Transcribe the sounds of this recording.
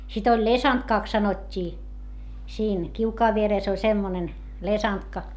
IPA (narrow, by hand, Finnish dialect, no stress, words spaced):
sit olʲ lesɑntkɑˑks sɑnotʲːiː siːn kiukɑːʋ ʋiereˑs olʲ semːonen lesɑntkɑ